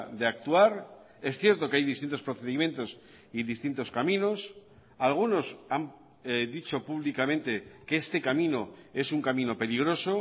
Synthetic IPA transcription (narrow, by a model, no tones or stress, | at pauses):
ðeak̚t̪uaɾ | e̞sθje̞ɾt̪o̞keajðist̪int̪o̞spɾo̞θe̞ðimje̞nt̪o̞s | iðist̪int̪o̞skamĩno̞s | alɣ̞uno̞sam | ðit͡ʃo̞puβlikamẽ̞nt̪e̞keest̪e̞kamĩno̞e̞suŋkamĩno̞pe̞liɣ̞ɾo̞so̞